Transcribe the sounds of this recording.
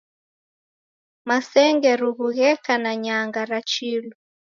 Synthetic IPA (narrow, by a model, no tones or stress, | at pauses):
masɛŋɡɛɾuɣuɣɛkanaɲaŋɡaɾat͡ʃilu